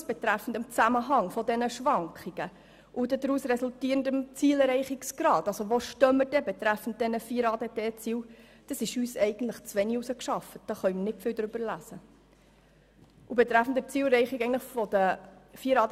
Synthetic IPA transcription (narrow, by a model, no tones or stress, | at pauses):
sb̥et̪ɾæfən̩dɪmt͡sæməɦɑŋfɔdɛnəʃʋɑŋkχiɡ̥ə | ʔudɛdɾuːsɾɛsultiːɾəndəmt͡siːlɾɛɪχiksɡ̥ɾɑːd̥ɑsoʋoʃtœmːəd̥ɛbɛt̪ɾæfn̩t̚d̥ɛnəfiːɾɑːdeteːt͡siːw | d̥ɑsɪʃyːsɛɪɡən̩t̪ləχt͡sʋɛniusəkʃɑfət̚d̥ɑːχœjmənɪtfɪːld̪ɾʏb̥əlæzə | ʔubɛt̪ɾæfn̩dɛt͡siːlɾɛɪχikɛɪɡntləχfɔdəfiːəɾɑːd